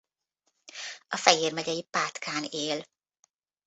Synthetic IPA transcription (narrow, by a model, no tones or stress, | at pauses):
ɒfɛjeːrmɛɟɛjipaːt̪kʰaːneːl